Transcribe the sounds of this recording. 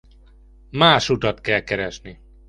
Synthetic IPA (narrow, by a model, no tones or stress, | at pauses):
maːʃut̪ɒt̪kɛlkɛɾɛʃni